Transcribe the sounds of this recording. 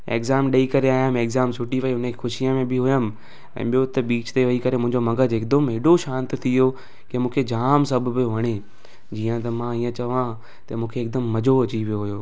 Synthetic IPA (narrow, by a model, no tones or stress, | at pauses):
ḛːkzaːmɗɐikɐɾeaːjəmeːkzaːmsʰʊʈiʋɐiʊnexʊʃijəmẽbɪɦʊjəmɪ̆ | ɛ̰̃ːɓijot̪ɐɓiːt͡ɕt̪eʋɐikɐɾemʊ̃ɦɪ̃ɲd͡ʑomɐ̃ɡəd͡ʑɪk̚d̪əmɦɪːɗoʃãːnt̪t̪ʰijo | kiə̃mũːkʰed͡ʑaːmsɐbʱbɪjoʋɐɽ̃e | d͡ʑiːə̃t̪̬ɐmãiːə̃t͡ɕɐʋã | t̪ɐmũːkʰeːk̚d̪əmːɐd͡ʑʱoɐt͡ɕiʋijoɦʊjoː